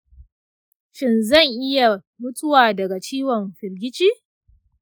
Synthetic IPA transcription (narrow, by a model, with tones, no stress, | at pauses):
ʃɪ˦˨nzɐ˦˨ŋʔɪ˦ja˨ | mʊ˦t͡sʼʊ˦waː˨dɐ˨ɡa˨t͡ʃiː˦wɔ˨mɸɪ˨ɾɡʲɪ˦t͡ʃiː˦